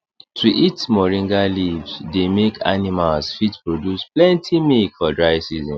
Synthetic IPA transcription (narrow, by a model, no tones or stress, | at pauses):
tʰuʔitmɔɹĩŋɡalivsdemekʰa̰nimalsfitpɹodjusplɛ̃ntʰimilkfɔdɹaɪsizɔ̃m